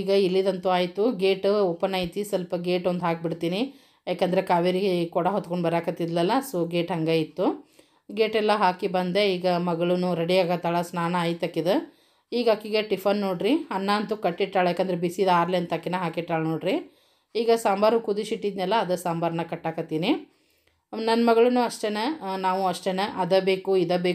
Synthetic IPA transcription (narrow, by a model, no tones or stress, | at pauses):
iːɡɐilːid̪ɐnt̪uaːjt̪uɡeːʈuopːɐnɐjt̪isɐlpɐɡeːʈond̪ɦaːk̚biɽt̪iːni | jaːkend̪ɐɾekaːʋiɾiɡekɔɽɐɦot̪koɳɖbɐɾaːkɐt̪ːid̪lɛlːɐsuɡeːʈɦɐŋɡaːjit̪ːu | ɡeːʈɛlːɐɦaːkibɐnd̪eiːɡɐmɐɡɐɭunuɾɐɽiaːɡɐt̪ːaːɭɐsnaːnɐaːjt̪ɐkːid̪e | iːɡakiɡeʈifʰɐnːoːɽɾiɐnːaːɐnt̪ukɐʈːiʈɾaːɭjaːkːɐnd̪ɐɾebisid̪aːɾleɐnt̪ɐkːinɐɦaːkiʈɾaːɭnoːɽɾi | iːɡɐsaːmbaːɾukud̪iʃiʈːid̪nɛlːɐːd̪ɐsaːmbaːɾɐnɐkɐʈːaːkɐt̪ːiːni | nɐnːɐmɐɡɐɭɐnuɐʂʈenenaːʋuɐʂʈenɐʔɐd̪ɐbeːkuid̪ɐbeː